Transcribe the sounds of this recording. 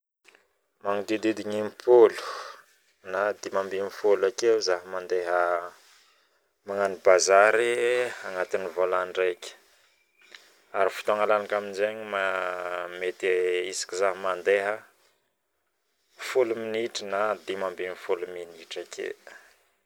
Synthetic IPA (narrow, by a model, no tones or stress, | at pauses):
maŋid̪id̪id̪iɲimpʰolu̥ | nad̪imambinifolakezaɦəmand̪eɦə | maŋanibazaɾiaŋat̪inivolanɖ͡ʐekʲə̥ | aɾifi̥t̪aŋalanakaminzeɲma | met̪eisi̥kizaɦmand̪eɦə | fuluminiʈ͡ʂinad̪imambinifoluminiʈ͡ʂakʰḛ